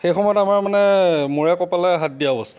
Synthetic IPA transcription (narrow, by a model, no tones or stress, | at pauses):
xejxɔmɔjɔtamaɹmanɛmoɹɛkɔpalɛjɦat̚dijaɔbɔst̪